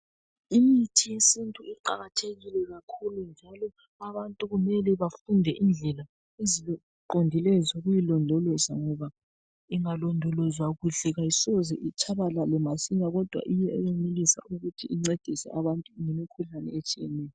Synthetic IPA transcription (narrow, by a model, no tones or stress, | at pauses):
imitʰijesintʼuiǃa̰ɣatʰeɣilɛɣakʰulund͡ʒʱalɔ | aβantʼuɣumɛlɛβafundʱɛʔind͡ɮʱɛla | eziɔ | ǃondʱilɛzoɣujilɔndʱɔlɔzaŋɔβa | iŋalɔndʱɔlɔzwaɣuɬɛɣajisɔzɛʔit͡ʃʰaβalalɛmasiɲaɣɔd̥ʱwa̰ʔijɛɛjemilisa̰ʔuɣutʰiiŋ͡ǀed̥ʱisɛ̰ʔaβantʼuŋɛmikʰuɬanɛ̰et͡ʃʼijɛnɛːjɔ